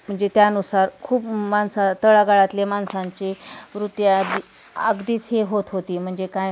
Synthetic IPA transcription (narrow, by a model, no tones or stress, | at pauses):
m̤əɳd͡zet̪janusaɾkʰuːpmansat̪əɭaɡaɭat̪lemansãɲt͡ɕeʋɾut̪jəɡd̪i | əɡd̪iːt͡sɦeɦot̪ɦot̪iːm̤əɳd͡zekaj